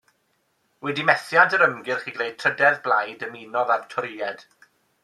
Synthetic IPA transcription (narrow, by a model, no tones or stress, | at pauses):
wɛdimɛθjadəɾəmɡɪrχiːɡlejd̚tʰr̥ədɛðblˠajdəmiːnɔðartʰɔɾɪːɛd̥